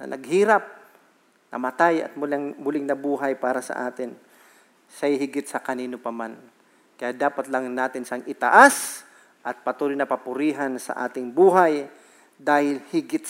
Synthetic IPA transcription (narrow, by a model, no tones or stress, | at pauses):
nɐ̰nʔɐ̰ɡ̚hiːɾɐp̚ | nɐ̰mɐt̪ajɐ̰t̪̚mʊlaŋmʊlɪɡnɐbuːɦɐjpaːɾɐsɐ̰ʔaːt̪ɪn | sɐjɦɪɡɪt̪sɐkɐniːnopɐman | kɐjaːd̪aːpɐt̪lɐŋnaːt̪ɪnsaŋʔɪt̪a̰ʔas | ʔɐt̪̚pɐt̪uːɾɪjnɐpɐpʊɾiːɦansɐ̰ʔa̰ːt̪ɪŋbuːɦaj | d̪aːhɪlhɪɡɪt̪̚